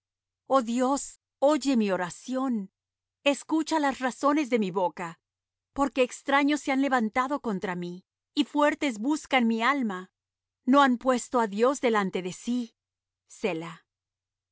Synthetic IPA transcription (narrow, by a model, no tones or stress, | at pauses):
o̞ðjo̞s | o̞ʝe̞mio̞ɾasjo̞n | e̞skut͡ʃalasraso̞ne̞zðe̞miβo̞ka | po̞ɾke̞ːkst̪ɾaɲo̞sːe̞anle̞βant̪aðo̞ko̞nt̪ɾamiː | fwe̞ɾt̪e̞zbuskanmialma | no̞ampwe̞st̪o̞aðjo̞zðe̞lant̪e̞ðe̞si | se̞la